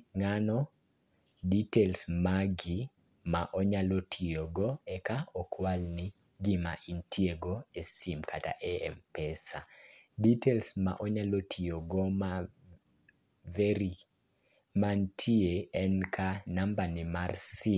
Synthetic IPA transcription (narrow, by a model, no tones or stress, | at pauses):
ŋanɔ | ditelsmaɡi | maʔɔɲalotʰioɡɔɛkaɔkʰwalnɪ | ɡima̰ʔintʰieɡoesimkʰata̰ʔɛɛmpɛsaditelsma̰ʔɔɲalotʰioɡɔma | veɾi | mantʰieɛnkʰanambanɪmarsi